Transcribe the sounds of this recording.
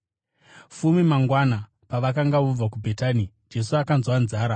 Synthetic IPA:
fumimaŋɡwana | paʋakaŋɡaʋub͡vak̬ubʱe̞taːni | d͡ʒe̞suakanzwanzaːɾa

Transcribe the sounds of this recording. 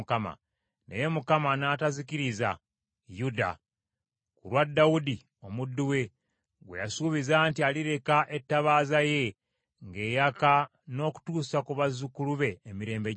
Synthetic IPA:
kama̰ | ne̞̰je̞mukamanaːtaziciɾiza̰ | juda̰ | kulwadːawudi | o̞mudːuwe̞ | ɡwḛjasuβizaːntialiɾe̞kaʔe̞tːaβaːzaje̞ | ŋɡe̞ːjaka | no̞ːku̥tuːsakuβazukuluβe̞ːmiɾe̞ːmbe

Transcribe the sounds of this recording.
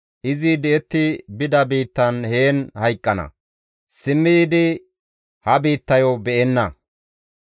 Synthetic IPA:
ʔɪzid̪ɛɛt̪ːɪbɪd̪ɐbiːt̪ːɐnhe̞ːnhɐjkʼːɐnɐ̰ | sɪmːid̪ɪ | hɐbiːt̪ːɐjɔbɛʔɛnːɐ

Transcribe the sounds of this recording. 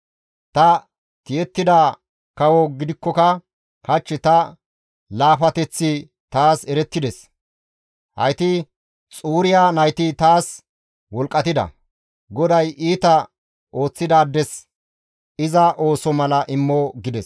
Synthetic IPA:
t̪ɐ | t̪ɪjɛt̪ːɪd̪aː | kɐwɔɡɪd̪ɪkːɔkɐ | kɐt͡ʃːɪt̪ɐ | laːfɐt̪ɛt͡sːɪ | t̪aːsɛɾɛt̪ːɪd̪ɛs | hɐ̰jt̪ɪ | t͡sʼuːɾɪjaːnɐjt̪ɪt̪aːs | wɔlkʼːɐt̪ɪd̪ɐ̰ | ɡɔd̪ɐjʔiːt̪ɐ | o̞ːt͡sːɪd̪aːd̪ːɛs | ɪzɐʔo̞ːsɔmɐlɐʔɪmːɔɡɪd̪ɛs

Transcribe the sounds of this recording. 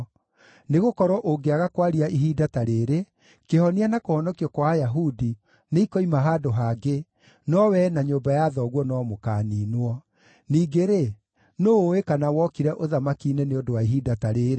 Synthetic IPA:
neɣokɔɾɔʔoɡeaɣakwaɾiaʔiɦidataɾeːɾe | kehɔnianakohɔnɔkiɔkwajaɦudi | neikɔimaɦaːdoɦaɡe | nɔwɛnaɲoːmbajaðɔɣwɔnɔmokaniːnwɔ | niːɡeɾe | noːekanawɔkiɾɛʔoðamakiːnɛneodowaiɦidataɾeːɾe

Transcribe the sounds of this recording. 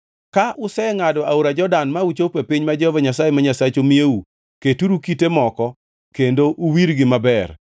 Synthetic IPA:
kaʔʊsɛŋadɔauɾad͡ʒɔdanmaut͡ʃopepɪɲmad͡ʒɔvaɲasajemaɲasat͡ʃomieu | ketuɾukitemɔkɔ | kendoʔuwiɾɡɪmabɛr

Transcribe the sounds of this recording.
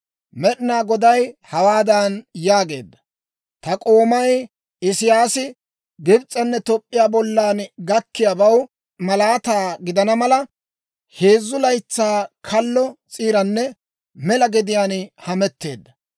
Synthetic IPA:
mɛɗɪnaːɡɔd̪ɐjhɐwaːd̪ɐnjaːɡe̞ːd̪ːɐ̥ | t̪ɐkʼo̞ːmɐj | ɪsɪjaːsɪ | ɡɪbt͡sʼːɐnːɛt̪ɔpʼːɪjaːbɔlːaːnɡɐkːɪjabɐw | mɐlaːt̪aːɡɪd̪ɐnɐmɐlɐ | he̞ːzːʊlɐjt͡sːaːkʰɐlːɔt͡sʼiːɾɐnːɛ | mɛlɐɡɛd̪ɪjaːnhɐmɛt̪ːe̞ːd̪ːɐ

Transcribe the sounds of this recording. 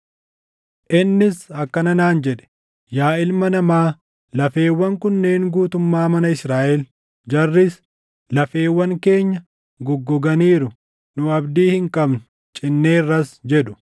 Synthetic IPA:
ʔɪnːɪsɐkːɐnɐnaːnd͡ʒɛᶑɛ̥ | jaːɪlmɐnɐmaː | lɐfe̞ːwːɐŋkʊnːe̞ːŋɡuːt̪ʊmːaːmɐnɐɪsɾaːʔɛl | d͡ʒɐrːɪs | lɐfeːwːɐŋke̞ːɲːɐ | ɡʊɡːɔɡɐniːɾʊ | nʊɐbd̪iːhɪŋkʼɐbnʊ | t͡ʃʼɪnːe̞ːrːɐsd͡ʒɛᶑʊ̥

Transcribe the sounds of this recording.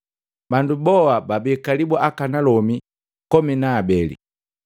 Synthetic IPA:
bandubɔwababɛkalibɔʔakanalɔmi | kɔminaːbɛlḭ

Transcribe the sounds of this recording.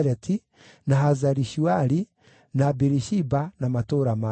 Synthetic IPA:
ɾɛtʰi | nahazaɾiʃuaɾi | nabiɾiʃibanamatoɾama

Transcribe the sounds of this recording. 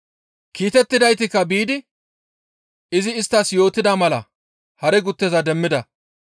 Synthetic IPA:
kiːt̪ɛt̪ːɪd̪ɐjt̪ɪkːɐbiːd̪ɪ | ɪzɪːst̪ːɐsjo̞ːt̪ːɪd̪ɐmɐlɐ̰ | hɐɾɛɡʊt̪ːɛzɐd̪ɛmːɪd̪ɐ

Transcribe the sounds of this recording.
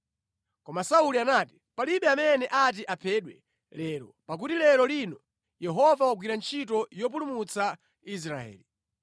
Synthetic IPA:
kɔmasaulianati | paliɓɛamɛnɛʔat̬iʔapʰɛɗwɛ̰ | lɛːɾɔpak̬utilɛɾɔlinɔ | jɛɦɔvawaɡwiɾant͡ʃʰitɔjɔp̬ulumut͡sa | is̬ɾaɛ̰ːli

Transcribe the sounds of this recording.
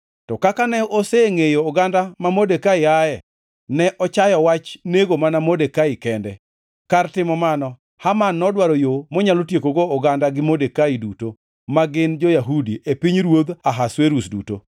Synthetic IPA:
tɔkakanɛoseŋejoːɡandamamodekaɪaɛ | nɛʔɔt͡ʃajɔwat͡ʃneɡomanamodekaikɛndɛ | kartɪmɔmanɔ | hamanːɔdwaɾojomɔɲalotjekoɡoːɡandaɡɪmodekaiduto | maɡɪnd͡ʒojaɦudiʔepiɲɾwod̪aɦasweɾusdṵto

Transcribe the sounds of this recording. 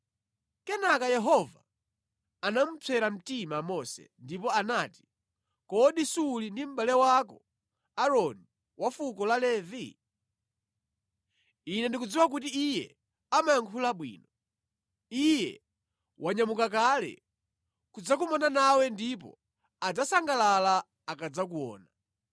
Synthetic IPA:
kɛnakajɛɦɔva̰ | anam̩t͡sʰɛɾam̩timamɔsɛ̰ndipɔanaːti̥ | kɔɗisulindim̩ɓalɛwakɔ | aɾɔni | wʔafukɔlalɛvi | inɛndikud͡ziwak̬ut̬iːjɛ̰ | amajaŋkʰulaɓwḭːnɔ | ijɛ̰ | wʔaɲamukak̬alɛ̰ | kud͡zakumɔnanawɛndip̬ɔ̰ | ad͡zasaŋɡalala | akad͡zakuɔ̰ːna

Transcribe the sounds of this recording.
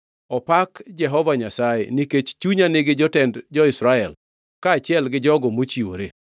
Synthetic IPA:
ɔpakd͡ʒɛɦɔvaɲasajḛniket͡ʃt͡ʃuɲanɪɡɪd͡ʒɔtɛndd͡ʒɔɪsɾaɛl | kaːt͡ʃɪɛlɡɪd͡ʒɔɡɔmot͡ʃio̰ɾe

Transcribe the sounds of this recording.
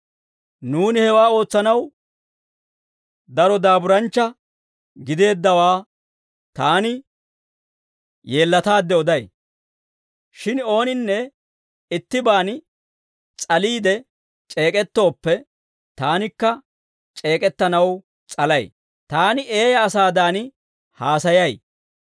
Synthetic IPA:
nuːnɪhɛwaːo̞ːt͡sːɐnɐw | d̪ɐɾɔd̪aːbʊɾɐnt͡ʃːɐ | ɡɪd̪e̞ːd̪ːɐwaː | t̪aːnɪ | je̞ːlːɐt̪aːd̪ːɛɔd̪ɐj | ʃɪno̞ːnɪnːɛ | ɪt̪ːɪbaːn | t͡sʼɐliːd̪ɛ | t͡ʃʼe̞ːkʼɛt̪ːo̞ːpːɛ | t̪aːnɪkːɐ | t͡ʃʼe̞ːkʼɛt̪ːɐnɐw | t͡sʼɐlɐj | t̪aːnɪʔe̞ːjɐːsaːd̪aːnɪ | haːsɐjɐj

